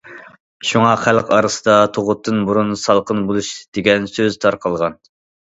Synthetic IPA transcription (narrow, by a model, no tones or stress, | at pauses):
ʃuŋɑχælqɑɾɨsɨd̪ɑt̪ʰoʁʊt̪ʰːɨnbuɾunsɑlˠqʰənbolˠuʃd̪̥eɡʲɛnsøzt̪ʰɑɾqʰəlˠʁɑn